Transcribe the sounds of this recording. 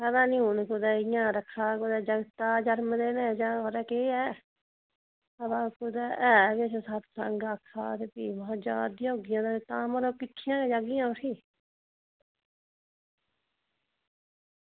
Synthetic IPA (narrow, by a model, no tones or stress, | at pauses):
kəd̪ãːnĩːɦʊnkʊd̪ɛːɪjãːɾəkʰːaːkʊd̪ɛːd͡ʒəɡt̪aːd͡ʒəɾmd̪eːnẽːd͡ʒaːoːɾɛːkeːɛː | əd̪aːkʊd̪ɛːʔɛːʋet͡ʃsat̪səŋɡaːkʰːaːt̪eːpiːʋãːd͡ʒaːd̪ijɦoːɡɪjãːd̪aːet̪ãːməɾoːkɪʈʰːɪjãːkeːd͡ʒaːɡɪjãːʊʈʰiː